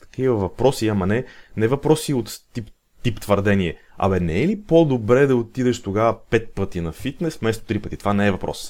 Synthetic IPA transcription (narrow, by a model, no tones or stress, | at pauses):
t̪ɐ̥kivəvɐpɾɔsiɐmɐnɛnɛvɐpɾɔsiot̪t̪ip | t̪ipt̪vəɾd̪ɛniɛɐ̰mɛnɛɛlipod̪obɾɛd̪ɐot̪id̪ɛʃt̪oɡavəpɛt̪̚pɤt̪inɐfit̪nɛsfmɛst̪o̥t̪ɾipɤt̪it̪ovanɛɛvɐpɾɔ̰s